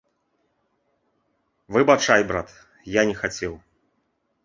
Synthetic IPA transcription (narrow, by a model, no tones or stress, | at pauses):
vɨbat͡ʂajbɾat̪ | janʲɛxat͡sʲɛw